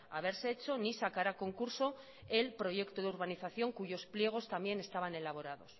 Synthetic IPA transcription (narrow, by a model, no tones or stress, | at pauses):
a̰β̞e̞ɾseet͡ʃo̞nisakaɾako̞ŋkuɾso̞ | e̞lpɾo̞ʝe̞kt̪oðeuɾβaniθaθjo̞ŋkuʝo̞splje̞ɣ̞o̞st̪ambje̞ne̞st̪aβ̞ane̞laβ̞o̞ɾað̞o̞s